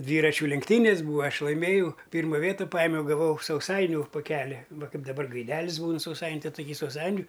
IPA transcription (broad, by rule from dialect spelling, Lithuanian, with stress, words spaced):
ˈdʲʋʲiːrɐt͡ʃʲuː lʲɛŋkˈtʲiːnʲeːsʲ ˈbuːʋɐ ˈɐʃ lˠɐɪˈmʲeːjɛʊ ˈpʲiːrmɐ ˈʋʲiɛtɐ ˈpɑːjɪmʲɛʊ ɡɐˈʋɐʊ sɐʊˈsɐɪnʲʊ poːˈkʲæːlʲɪ ˈʋɐ ˈkɐɪp dɐˈbɐr ɡɐɪˈdʲæːlʲɪs ˈbuːn sɐʊˈsɐɪnʲ ˈtɐɪ ˈtoːˈkʲiː sɐʊˈsɐɪnʲʊ